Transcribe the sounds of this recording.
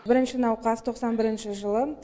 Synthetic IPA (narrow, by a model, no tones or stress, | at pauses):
bɪɾɪnʃɪnɑwqɑst̪ʰo̞qsɑnbɪɾɪnʃɪʒəlˠə